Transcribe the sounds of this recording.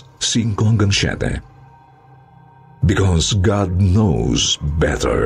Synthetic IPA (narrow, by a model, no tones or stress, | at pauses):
siŋkɔ̃ŋɡə̃nʃɛ̰t̪ɛ̰ | bikʰɔzɡɑdnoʊzbɛ̰tə̰˞